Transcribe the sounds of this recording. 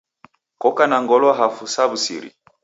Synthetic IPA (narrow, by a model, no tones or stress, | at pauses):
kɔkanaŋɡɔlwɔɦafusaβusḭɾḭ